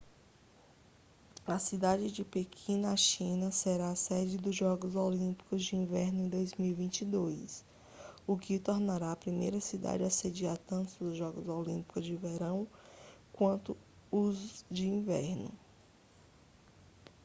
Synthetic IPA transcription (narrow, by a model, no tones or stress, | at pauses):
ɐsid̪ad͡ʒɪd͡ʒɪpekʰĩnɐʃĩnɐseɾaɐsɛd͡ʒɪd̪ʊzʒɔɡʊzolĩpi̥kʊzd͡ʒɪĩvɛɾnʊẽd̪ojzmiwivĩnt͡ʃid̪ojs | ʊkɪt̪oɾnaɾaɐpɾimejɾɐsid̪a̰d͡ʒɪɐsed͡ʒiɾat̪ɐ̃nt̪ʊd̪ʊzʒɔɡʊzolĩpi̥kʊzd͡ʒɪveɾɐ̃w̃kwɐ̃nt̪ʊ | ʊzd͡ʒɪĩvɛ̰ɾnʊ̰